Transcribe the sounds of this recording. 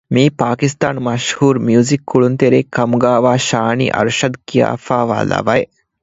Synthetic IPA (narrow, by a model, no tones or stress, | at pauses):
miːpaːkist̪aːnmɐʃhuːɾmjuːzikːuɭunt̪eɾeːkːɐmɡaːʋaːʃaːnḭʔɐ̰ɾʃɐd̪kija̰ːfaːʋa̰ːla̰ʋaj